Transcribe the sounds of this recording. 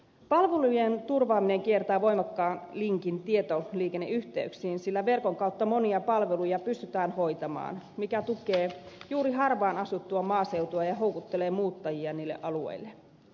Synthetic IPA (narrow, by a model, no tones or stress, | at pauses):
pɑlʋelujent̪urʋɑːmineŋkiert̪ɑːʋo̞imɑkːɑːnliŋkint̪iet̪oliːkenːeʔyht̪eyksiːnsilːæʋe̞rkoŋkɑut̪ːɑmoniɑpɑlʋelujɑpyst̪yt̪æːnho̞jt̪ɑmɑ̰ːnmikæt̪ukeːjuːɾiɦɑrʋɑːnɑsut̪ːuɑmɑːsewt̪uɑjɑɦowkut̪ːeleːmuːt̪ːɑjiɑniːlːḛʔɑluḛilːe